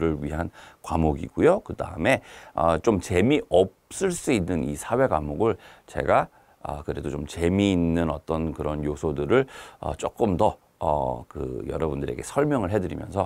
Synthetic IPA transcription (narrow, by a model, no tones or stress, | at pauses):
ɾɯɭɥiɦankwamoɡiɡujokɯda̰ɯme̞ʌt͡ɕomt͡ɕe̞miʔʌp̚s͈ɯɭs͈uinːɯnisʰawe̞ɡwamoɡɯɭt͡ɕe̞̰ɡa | ʌ̰kɯɾe̞dot͡ɕomt͡ɕe̞miːnːɯnʌt͈ʌnkɯɾʌnjosʰodɯɾɯɭʌ̰t͡ɕ͈ok͈ɯmdʌ | ʌkɯ̰jʌ̰ɾʌbundɯɾe̞ɡe̞sʰʌɭmjʌŋɯɭɦe̞dɯɾimjʌ̰nsʰʌ